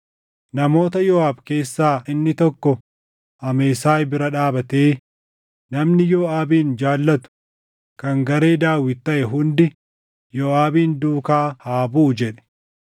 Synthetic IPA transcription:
nɐmo̞ːt̪ɐjɔːaːbke̞ːsːaːɪnːɪt̪ɔkːɔ | ʔɐmeːsaːjbɪɾɐᶑaːbɐt̪eː | nɐmnɪjoːaːbiːnd͡ʒaːlːɐt̪ʊ̥ | kɐŋɡɐɾe̞ːd̪aːwːɪt̪ːɐʔɛɦʊnd̪ɪ | jɔːaːbiːnd̪uːkaːhaːbuːd͡ʒɛᶑɛ̥

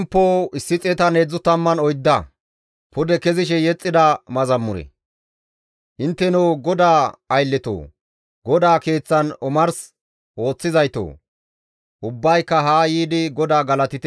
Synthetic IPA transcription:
mpːoːɪsːɪt͡sʼɛt̪ɐneːd͡zːʊt̪ɐmːɐnɔjd̪ːɐ | pʰʊd̪ɛkɛzɪʃ̬ɛjɛt͡sʼːɪd̪ɐmɐzɐmːʊɾɛ̰ | ʔɪnt̪ːɛnɛwɡɔd̪aːɐjlːɛt̪o̰ː | ɡɔd̪aːke̞ːt͡sːɐnɔmɐɾs | ʔo̞ːt͡sːɪzɐjt̪o̰ː | ʔʊbːɐjkːɐɦaːjiːd̪ɪɡɔd̪aːɡɐlɐt̪ɪt̪ɛ

